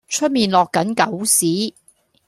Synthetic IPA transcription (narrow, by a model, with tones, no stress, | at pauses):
t͡ʃʰɵ˥t̚miː˨nlɔː˨kːɐ˨˥nkɐ˨˥wsiː˨˥